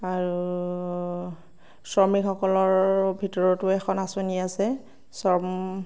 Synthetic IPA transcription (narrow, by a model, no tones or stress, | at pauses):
aɹu | sɔmikɔkɔlɔɹbʱitɔɹɔtʊɛkʰɔnasoniasɛ | sɔm